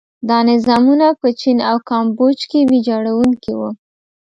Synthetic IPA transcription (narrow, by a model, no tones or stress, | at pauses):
d̪ɑnɪzɑmunapət͡ʃinawkɑmbod͡ʒkebid͡ʒɑɽawuŋkiwu